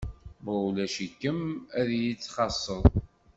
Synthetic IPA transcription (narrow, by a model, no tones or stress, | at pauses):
bɾˤulæʃikːəmæðjit͡sːχɑsˤːəðˤ